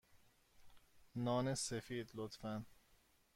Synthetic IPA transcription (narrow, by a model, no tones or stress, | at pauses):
nɒːnesefiːd̪lot̪fæn